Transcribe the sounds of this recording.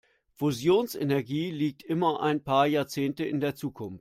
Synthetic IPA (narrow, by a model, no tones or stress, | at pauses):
fuzjoːnsʔenɛɐɡiːliːk̚tʔɪmɐʔa̰ɪnpʰaːɐjaːɐt͡seːntəɪndeːɐt͡suːkʰʊnftt